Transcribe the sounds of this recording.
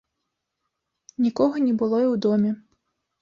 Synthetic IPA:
nʲikɔɣɔnʲɛbʊlˠɔjiwd̪ɔmʲi

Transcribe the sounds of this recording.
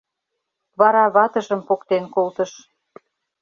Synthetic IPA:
βɑɾɑβɑt̪ə̆ʒə̆mpokt̪enkolt̪ə̆ʃ

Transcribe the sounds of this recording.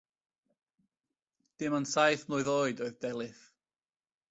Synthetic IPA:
d̥ɪmansajθnʊɨðoːɨdoɨðdɛlˠɨθ

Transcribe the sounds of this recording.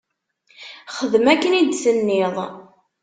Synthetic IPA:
χəðmækːənid̪sənːeðˤ

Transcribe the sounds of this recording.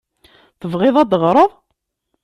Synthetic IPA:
θəvʁɪðˤæd̪əʁɾˤəðˤ

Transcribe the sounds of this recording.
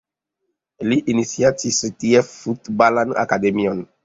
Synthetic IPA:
liʔinisiatisit̪iɛffut̪balana̰kad̪emiɔ̃n

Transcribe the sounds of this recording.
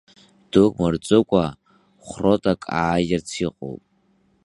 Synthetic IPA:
d̥okʼmɨrt͡sʷʼɨkʷʼa | χrotʼakʼa̰ːjɪrt͡sʰiqʼo̰wpʼ

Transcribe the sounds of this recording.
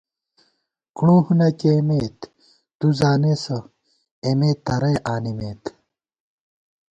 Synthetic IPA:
kũːhunɐkemeːt̪ | t̪uzaːnesɐ | emeːt̪ːɐɾɐjʔaːnimeːt̪

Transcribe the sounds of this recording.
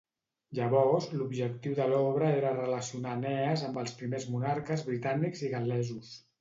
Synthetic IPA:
ʒəβɔzlubʒək̚t̪iwðəlɔβɾəeɾərələsiunanɛəzəmbəlˠspɾimezmunaɾkəzβɾit̪aniɡziɣalɛzus

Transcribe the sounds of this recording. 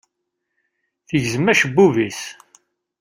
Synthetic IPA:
θəʝzəmːæʃəbːuvis

